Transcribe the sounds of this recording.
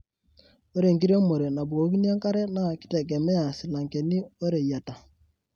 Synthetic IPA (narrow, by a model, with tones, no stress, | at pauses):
o˦ɾe˨ŋɡi˦ɾjɔ˦mo˨ɾe˨na˨bu˨ko˨˦ki˦ni˦a˦ŋka˦ɾɛ˦na˦˨kɪ̥˦tɛ˨ɡ̬ɛ˨mɛ˦a˨si˨la˨ŋkɛ˨ni˦o˦ɾe˨ja˨ta˨